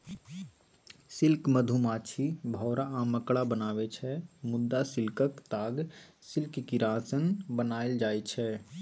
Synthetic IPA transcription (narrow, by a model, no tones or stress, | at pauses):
sɪlkməd̪ʱumaːt͡ʃʰibʱɔːɾaməkɽabənaːʋɛt͡ʃʰɛmʊd̪ːasɪlkəkt̪aːɡsɪlkkiɾaːsənbənaːeld͡ʒaːɛt͡ʃʰɛ